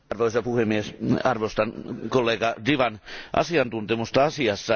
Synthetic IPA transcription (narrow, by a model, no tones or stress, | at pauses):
rʋoisɑpuhemːiesɑrʋost̪ɑnkolːeːɡɑdiʋɑnʔɑ̰siɑnt̪unt̪emust̪ɑɑsiɑsːɑ